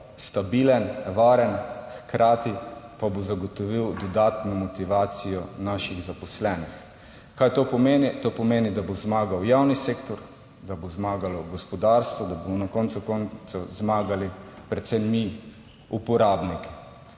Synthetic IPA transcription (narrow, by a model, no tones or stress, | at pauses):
st̪abilənʋaːɾənxkɾʔaːt̪ipabozaɡɔt̪ɔʋiwd̪ɔd̪aːt̪nɔmɔt̪iʋaːt̪sijɔnaːʃiɣzapɔslɛːnix | kajt̪oːpɔmenit̪opɔmeːnid̪abozmaːɡawjawniseːkt̪ɔɾ | d̪abozmaːɡalɔɡɔspɔd̪aɾst̪ʋɔd̪abomɔnakɔnt̪sukɔnt̪sɔzmaːɡalipɾɛt̪sɛmːi | upɔɾaːbniki̥